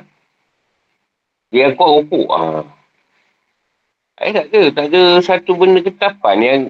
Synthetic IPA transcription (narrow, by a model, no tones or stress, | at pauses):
diaŋkuakukṵʔa̰ | ʔa̰ḭt̪aʔdət̪aʔdəsat̪ubəndəkət̪apanjaŋ